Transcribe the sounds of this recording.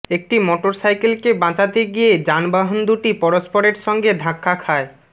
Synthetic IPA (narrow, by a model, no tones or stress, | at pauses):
ek̚ʈimoʈoɾsajkelkebãt͡ɕat̪eɡijed͡ʑanbaɦond̪uʈipɔɾospoɾeɾʃɔŋɡed̪ʱãkʰːakʰae